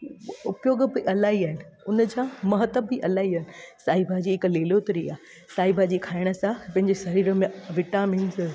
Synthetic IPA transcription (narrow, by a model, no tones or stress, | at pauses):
ʊpjoːɡbɪʔɐlaːɦiaːɦɪnɪ̆ | ʊnəd͡ʑãmɐɦət̪əbɪʔɐlaːiaːɦɪnɪ̆saːɦibʱad͡ʑiːɪkleːloːt̪ɾiaː | saːibʱad͡ʑikʰaːɪɽ̃ə̆sãpɐ̃ɦɪ̃ɲd͡ʑesɐɾiːɾə̆mẽʋɪʈaːmiːnz